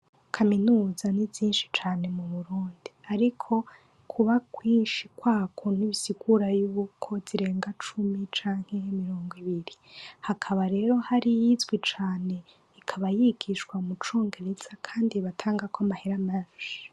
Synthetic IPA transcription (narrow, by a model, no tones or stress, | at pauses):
kʰaminuːzaniviːnʃi̥t͡ʃaːne̞muβuɾuːndiaɾikʰo̞ | kʰuβakwiːnʃikwaːkʰoniβisiɡuɾajuβukʰo̞ziɾe̞ːŋɡat͡ʃumit͡ʃaːŋ̥he̞miɾo̞ːŋɡwiβiɾihakʰaβaɾe̞ːɾo̞haɾijizɡwit͡ʃaːne̞ | ikʰaβajiɡ̥iʃkwamut͡ʃoːŋɡe̞ɾez̥akʰaːndiβatʰaːŋɡakamaheɾamaʒi